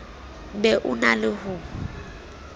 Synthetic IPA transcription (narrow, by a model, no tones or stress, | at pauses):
bɛʔʊnalɪhʊ